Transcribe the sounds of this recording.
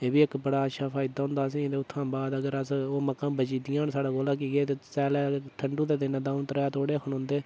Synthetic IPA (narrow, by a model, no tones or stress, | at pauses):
eːbiːɪkbəɽaːəʃʰaːpʰaːid̪aːɦʊ̃nd̪aːs̬ĩːd̪eːʊt̪ʰːãːbaːd̪əɡəɾəsoːməkːãːbət͡ʃiːd̪ɪjãːnsaːɽaːɡoːlaːk̬iːɡeːt̪eːsɛːlɛːt̪ʰəɳɖũːd̪eːd̪ɪnãːd̪ãːnt̪əɾɛːt̪ʰoːɽeːəkʰəɳɦʊ̃nd̪eː